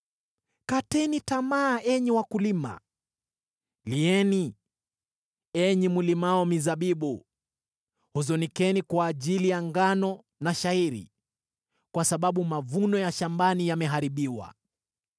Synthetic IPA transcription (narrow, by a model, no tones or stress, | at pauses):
katɛnitamaːʔɛɲiwakulima̰ | liɛni | ɛɲimulimaɔmizaɓiɓu | huzɔnikɛnikwaːʄilijaŋɡanɔ | naʃaiɾḭ | kwasaɓaɓumavunɔjaʃambanijamɛɦaɾiɓiwa̰